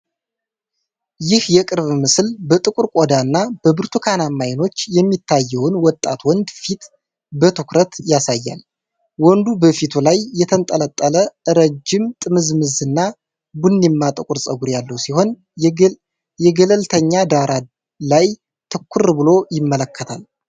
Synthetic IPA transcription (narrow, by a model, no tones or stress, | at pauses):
jɪhjɛkʼɨɾβmɨslbət̪ʼɨkʼuɾkʼod̪anːab̥əbɨɾt̪ʰukʰanamːajɪno̞t͡ʃːjɛmːit̪ʰːajːɛwnwɔt̪ʼːa̰t̪wɔnd̪fit̪ | bət̪ʰɨkɾət̪jasajːa̰l | wɔnd̪ubəfit̪ʰulajːɛt̪ʰənt̪ʼələt̪ʼːələɨɾəd͡ʒːɪmt̪ʼɨmɨzmɨzɨnːa | bunːimːat̪ʼɨkʼuɾsʼəɡuɾjalːəwsiho̞n | jɛɡələlt̪ʰəɲːad̪aɾa | laj | t̪ʰɨkʰːʊrbɨlo̞jɪmːələkʰːət̪ʰal